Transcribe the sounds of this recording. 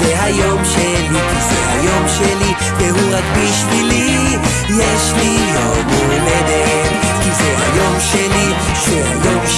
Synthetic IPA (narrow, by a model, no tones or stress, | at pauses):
eɦajo̞mʃelikizeha̰jo̞mʃeli | veɦuʁaɡbiʃvili | jeʃlijo | mu | led̪e | kizeha̰jo̞mʃeli | ʃɛha̰jomʃ